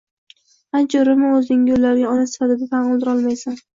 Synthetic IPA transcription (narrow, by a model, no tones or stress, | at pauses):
ant͡ʃʰaɾɪmɪɵznɪŋolːaɾɪɡʲaɒnasɪ̥fat̪ɪd̪at̪anʊlˠd̪ɪɾɒlˠmajsan